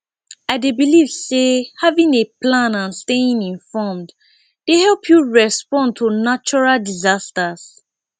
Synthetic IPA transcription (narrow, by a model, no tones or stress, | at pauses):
aɪdebilivsehavĩŋeplãnãnsteĩŋĩnfɔmd | d̥ehɛlˠpʰjuɹɛspɔ̃ntʰunat͡ʃɔɹaldizastas